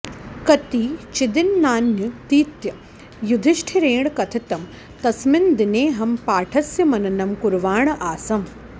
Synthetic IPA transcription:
kɐt̪iːt͡ʃid̪ɪnːaːnjɐt̪iːt̪jɐ | jud̪ʱiʃʈʰiɾeːɳkɐt̪ʰit̪ɐm | t̪ɐsmɪnd̪ineːɦɐmpaːʈʰɐsjɐmɐnɐnɐmkuɾʋaːɳɐʔaːsɐm

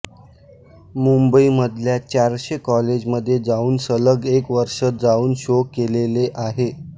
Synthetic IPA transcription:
mumbəiməd̪ʱljat͡ɕaɾɕekɔled͡ʑməd̪ʱːjed͡zauːnsələɡekʋəɾʂət̪̚d͡zauːnɕokːeleleʔaɦe

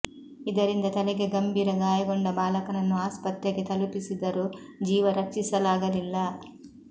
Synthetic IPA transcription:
id̪ɐɾind̪ɐt̪ɐlɐɡeɡɐmbʱiːɾɐɡaːjɐɡɔɳɖɐbaːlɐkɐnɐnːuaːspɐt̪jɐket̪ɐlupisid̪ɐɾu | d͡ʒiːʋɐɾɐt͡ʃisɐlaːɡɐlilːaː

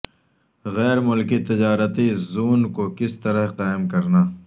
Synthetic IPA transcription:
ɣɛːɾmʊlkit̪ɪd͡ʒaːɾət̪izuːnkokɪst̪ɐɾəɦqaːɪmkɐɾnaː

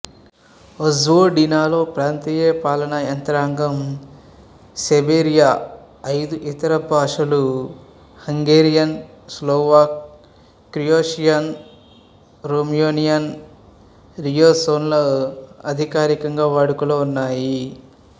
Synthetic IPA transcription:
ɐzoːɖinaːlo̞ːpɾaːnt̪iːjepaːlɐnɐɐnt̪ɐɾaːŋɡɐm | sebeːɾijaː | ɐjd̪uʔit̪ɐɾɐbʱaːʂɐlu | hɐŋɡeːɾijɐnsloːʋaːk̚ | kːɾijoːʃijɐn | ɾoːmjoːnijɐn | ɾijoːsoːnloɐd̪ʱikaːɾikɐŋɡaːʋaːɽukuloːunːaːji

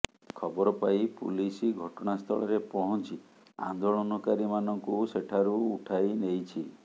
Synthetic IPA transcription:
kʰɔbɔɾɔpajpṵlisiɡʱɔʈɔɽ̃ast̪ʰɔɭɔɾepɔɦɔnt͡ʃi | a̰nd̪oɭɔnɔkaɾimanɔŋkuseʈʰaɾuːʈʰajnejt͡ʃʰi

